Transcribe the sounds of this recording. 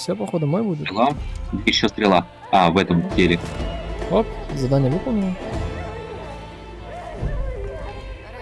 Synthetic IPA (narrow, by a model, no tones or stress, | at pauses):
sʲopɐxod̪əmɔjbud̪ʲɪɪlˠaɪɕːost̪ɾʲɪlˠa | ɐvɛt̪əmtʲeɾʲɪ | opzɐd̪anʲəlʲukʊnʲi